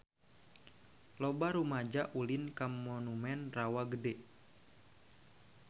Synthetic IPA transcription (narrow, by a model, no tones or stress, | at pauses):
lɔbaɾumad͡ʒaʔulinkamːɔnumɛnrawaɡədɛ